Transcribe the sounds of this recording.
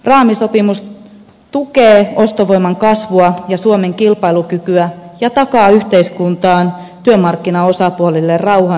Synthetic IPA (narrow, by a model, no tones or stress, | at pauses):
rɑːmiso̞pimus | t̪ukeːo̞st̪oʋoimɑŋkɑsʋuɑjɑsuomeŋkilpɑilukykyæjɑt̪ɑkɑːyht̪eiskunt̪ɑːnt̪yømɑrkːinɑo̞sɑpuolilːerrɑwhɑ